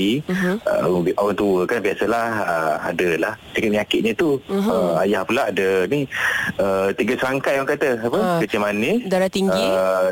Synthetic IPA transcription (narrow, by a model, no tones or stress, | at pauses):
iə̰ʔawaŋt̪uwəkanbiasəlahəa̰dəlahtikət̪̚mɲakɪt̪̚ɲət̪uɦəajahpulaadəniət̪iɡəsəɾaŋkajwaŋkat̪əapəkət͡ʃəmanidaɾat̪iŋɡi